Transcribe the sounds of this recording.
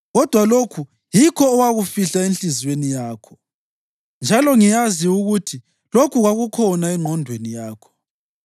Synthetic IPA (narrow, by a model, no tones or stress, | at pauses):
ɣɔd̥ʱwalokʰu | jikʰɔːwaɣufiɬaenɬizwenijaːkʰɔ̥ | nd͡ʒʱalɔŋijaziuɣutʰi | lokʰuɣaɣukʰɔnaɛŋ͡ǃʱɔndʱwenijaːkʰɔ̥